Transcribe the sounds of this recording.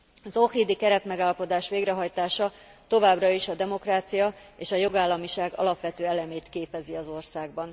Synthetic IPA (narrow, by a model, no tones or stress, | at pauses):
ɒzohriːd̪ikɛɾɛt̪mɛɡaːlɒpo̞d̪aːʃʋeːɡɾɛɦɒjt̪aːʃɒ | t̪o̞vaːbrɒiʃɒd̪ɛmo̞kraːt̪sijɒeːʃɒjo̞ɡaːlːɒmiʃaːɡɒ̰lɒpʋɛt̪øːɛlɛmeːt̪keːpɛziɒzo̞rsaːɡ̚bɒn